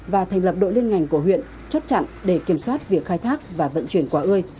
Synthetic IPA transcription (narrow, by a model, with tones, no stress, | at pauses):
vaː˨˩t̪ʰɛ˨˩ŋ̟lə˨˩p̚ɗo̰˧˨li˧ənŋa˨˩jŋ̟kəɦwḭ˧˨ən | t͡ɕə˦˥t̚t͡ɕa̰˧˨nɗe˧˩ki˧˩əmswaː˦˥t̚vi˨˩ək̚xaː˧jt̪ʰaː˦˥k̚vaː˨˩və̰˧˨nt͡ɕwi˧˩ənkwaː˧˩ʔɨ˧əj